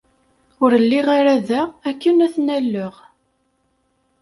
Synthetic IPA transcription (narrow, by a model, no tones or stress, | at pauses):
ʊɾəlːiʁaɾæðæækːənæθnælːəʁ